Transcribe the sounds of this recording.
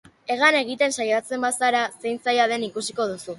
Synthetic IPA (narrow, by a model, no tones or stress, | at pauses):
e̞ɣ̞ane̞ɣ̞it̪e̞nsajat͡se̞mbasaɾase̞jnt͡sajaðe̞nikusiko̞ð̞usu